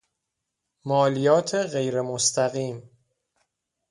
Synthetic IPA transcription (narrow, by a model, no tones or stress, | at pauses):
mɒːlijɒːt̪ʰeɣe̞jɾe̞most̪ʰæɣiːm